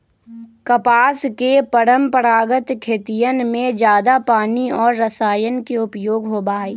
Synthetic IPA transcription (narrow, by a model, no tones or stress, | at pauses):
kəpaːskepəɾəmpəɾaːɡət̪kʰeːt̪ijənmẽd͡ʒjaːd̪apaːniɔːɾːɐsaːjənkiʊpjoːɡɦoːbaːiː